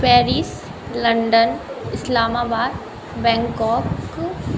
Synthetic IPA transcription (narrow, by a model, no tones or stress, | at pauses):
pɛːɾiːs | lɐɳɖənɪslaːmaːbaːd̪ | bɛ̃ːŋkɔːk